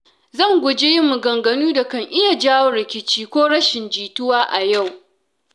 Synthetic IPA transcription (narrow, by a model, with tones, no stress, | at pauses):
zɐ˦˨ŋɡʷʊ˨d͡ʒeː˦ji˦mːu˨ɡɐ˨ŋɡɐ˨nuː˦da˨kɐ˦ŋʔɪ˦ja˨d͡ʒaː˦wo˦ɾɪ˨kʲɪ˦t͡ʃiː˦kʷoː˦ɽɐ˦ʃɪ˨nd͡ʒiː˨tʊ˦waː˦ʔa˨ja˦˨w